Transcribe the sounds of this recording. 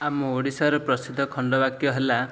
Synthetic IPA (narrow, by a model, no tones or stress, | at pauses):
amɔoɽisaɾɔpɾɔsid̪ʱːɔkʰɔɳɖɔbakjɔɦela